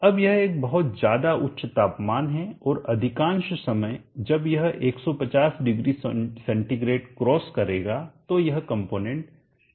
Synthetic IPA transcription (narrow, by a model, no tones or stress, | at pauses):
ɐbjɐɦeːk̚bɐɦʊt̪zjaːd̪aʔʊtːʃt̪aːpmaːnɦɛɔːɾɐd̪ʱɪkãːnʃsɐməjd͡ʒɐbjɐɦeːksɔpɐt͡ʃaːsɖɪɡɾissɛ̃ɳʈiɡɾeːʈkɾɔːskɐɾeːɡaːt̪ojɐɦkɐ̃mpoːnɛ̃ɳʈ